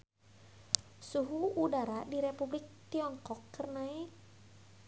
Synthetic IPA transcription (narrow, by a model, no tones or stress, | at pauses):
suɦuːdaɾadiɾepublik̚t̪iɔŋkɔkʰːərnai